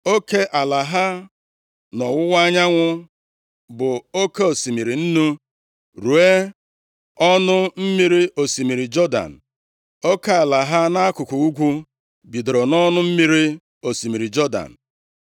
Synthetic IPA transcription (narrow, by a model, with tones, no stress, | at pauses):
o˦ke˦ʔa˨la˨ɦa˦ | nɔ˨wʊ˦wa˦ɲa˦ŋʷʊ˦ | bʊ˨o˦ke˦o˨si˨mi˨ɾi˨n̩˦nu˦ | ɾu˨e˦ | ɔ˦nʊ˦m̩˦mi˦ɾi˦o˨si˨mi˨ɾi˨d͡ʒɔ˦da̰˨n̩˨ | o˦ka˦a˨la˨ɦa˦na˦a˦kʊ˨ku˨u˦ɡʷu˦ | bi˨do˨ɾo˨nɔ˦nʊ˦m̩˦mi˦ɾi˦ | o˨si˨mi˨ɾi˨d͡ʒɔ˦da̰˨n̩˨